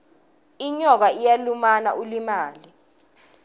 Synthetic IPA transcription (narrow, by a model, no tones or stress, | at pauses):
iɲɔk̬aijalumana̰ʔulimaːli